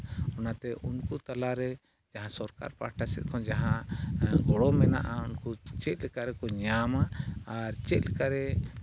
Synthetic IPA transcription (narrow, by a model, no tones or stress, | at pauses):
ɔnat̪ɛʔunkut̪alaɾɛ | d͡ʒaɦãsɔɾka̰ɾpaʈʰasɛ̰t̪̚kʰɔnd͡ʒaɦãɡɔɽɔmɛna̰ʔaunkut͡ʃɛt̪̚lɛkaʔɾɛkɔɲamaːɾt͡ʃɛt̪̚lɛkaʔɾɛ